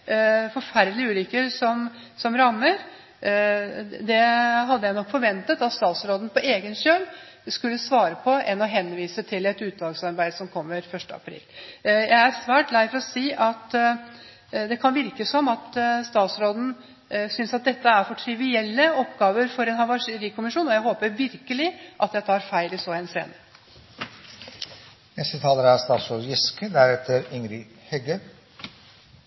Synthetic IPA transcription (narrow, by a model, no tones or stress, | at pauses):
fɔɾfæɾd̪lɪəʉːlʏkːəɾsɔm | sɔmɾɑmːəɾ | d̪ɛɦɑd̪ːəjæɪnɔkːfɔɾʋɛnt̪ət̪ɑt̪st̪ɑːt̪sɾoːd̪n̩pɔʔeːɡənɕøːl | skʉlːəsʋɑːɾəpʰɔɛnɔɦɛnʋiːsət̪ʰɪlɛt̪ʉːt̪lɑɡsɑɾbæɪd̪sɔmkʰɔmːəɾfœʂʈəɑ̰pʰɾḭːljʔæɪæɾsʋæːʈlæɪfɔɾɔsiːʔɑt̪ | d̪ɛkʰɑnʋɪɾkəsɔmɑt̪st̪ɑːt̪sɾoːd̪n̩ | sʏnsɑt̪̚d̪ɛt̪ːəæɾfɔʈʰɾɪʋɪɛlːəɔpɡɑːʋəɾfɔɾɛnhɑʋɑʂɾiːkʰʊmɪʂuːnɔjæɪɦoːpəɾʋɪɾkəlɪʔɑt̪jæɪt̪ʰɑːɾfæɪlɪsoːɛnsɾḛːnə | nɛst̪ət̪ʰɑːləɾəæst̪ɑːt̪sɾoːd̪jɪskəd̪æɾɛt̪ʰəɾɪŋɾɪ | hɛɡəɾ